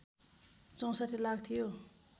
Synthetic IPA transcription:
t͡sʌ̃w̃sat̪ʰelaɡt̪ʰijo

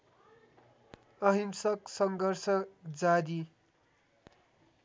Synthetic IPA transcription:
ʌɦimsʌksʌŋɡʌrsʌd͡zad̪i

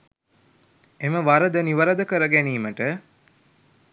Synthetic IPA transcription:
eməʋaɾəd̪əniʋəɾəd̪əkəɾəɡæniːməʈə

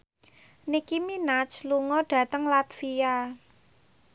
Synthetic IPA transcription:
nikiminat͡ʃluŋɔɖ̥ä̤t̪əŋlat̪fia

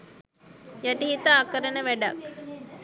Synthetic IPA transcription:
jaʈiɦit̪aːkəɾənəʋæɖak

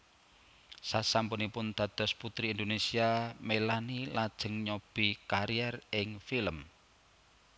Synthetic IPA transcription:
sasampunipʊnd̪̥a̤d̪̥ɔ̤sput̪ɾiːnd̪onesiamelanilad̥ʒ̥ə̤ŋɲob̥i̤kaɾiɛrɪŋfiləm

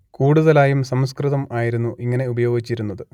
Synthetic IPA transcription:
kuːɽuðɐlaːjumsɐmskrɨðɐmaːjiɾunːuʔiŋːɐne̞ubɐjo̞ːɡit͡ɕːiɾunːɐðɨ

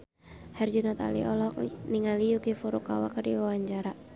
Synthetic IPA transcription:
hɛrd͡ʒunɔt̪a̰lḭʔɔlɔk̚niŋalijukifuɾuka̰wa̰kardiwawaɲt͡ʃaɾa

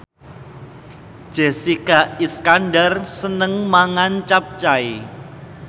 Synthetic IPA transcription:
ʒ̥esikaiskanɖarsənəŋmaŋant͡ʃap̚t͡ʃai

